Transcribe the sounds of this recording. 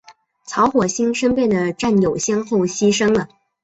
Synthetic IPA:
t͡sʰɑ˧˥ʊxwɔ˨˩ɕi˥nʂə˥npjɛ˥˩nd̪ə˩ʈ͡ʂa˥˩njo˨˩ʊɕjɛ˥˧nxo˥˩ʊɕi˥ʂɤ˥ŋlə˨

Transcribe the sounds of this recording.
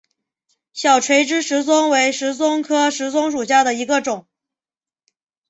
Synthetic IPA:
ɕjɑ˨˩ʊʈ͡ʂʰwe˧˥ɪʈ͡ʂɻ̩˥ʂɻ̩˧˥t͡sʊ˥ŋwe˧˥ɪʂɻ̩˧˥t͡sʊ˥ŋkʰɤ˥ʂɻ̩˧˥t͡sʊ˥ŋʂu˨˩ɕja˥˩d̪ə˩i˧˥ɡə˧ʈ͡ʂʊ˨˩˦ŋ

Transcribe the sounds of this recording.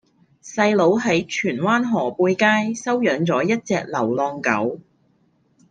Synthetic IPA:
sɐ˧jlo˨˧˥wɦɐ˨˥jt͡ʃʰyː˨˩nwaː˥nɦɔː˨˩puː˧jkaː˥jsɐ˥wjœː˨˥ŋt͡sɔː˨˥jɐ˥t̚t͡sɛː˧k̚lɐ˨˩wlɔː˧ŋkɐ̰˨˥w

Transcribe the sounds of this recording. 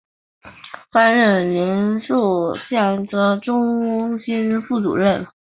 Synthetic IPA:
fa˥nɻə˥˩nli˧˥nsu˥˩ɕja˥˩nt͡sɤ˥ʈ͡ʂʊ˥ŋ˥ɕi˥nfu˥˩t͡sṵ˨˩lə˥˩

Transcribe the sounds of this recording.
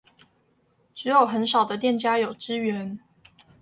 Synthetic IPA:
ʈ͡ʂɻ̩˧˥jo˨˩ʊxə˧˥nʂɑ˨˩ʊd̪ə˦t̪jɛ˥˨nt͡ɕja˥jo˨˩ʊʈ͡ʂɻ̩˥ɥɛ˧˥˦n

